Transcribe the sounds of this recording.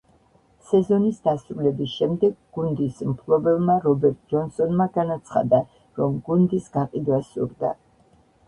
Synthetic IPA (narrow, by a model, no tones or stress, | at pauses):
sɛzɔnisd̪asɾulɛbisʃɛmd̪ɛɡɡund̪ismpʰlˠɔbɛvmaɾɔbɛɾt̪̚ʼd͡ʒɔnsɔnmaɡanat̪sʰχa̰d̪a | ɾɔmɡund̪isɡaqʼid̪wasṵɾd̪a̰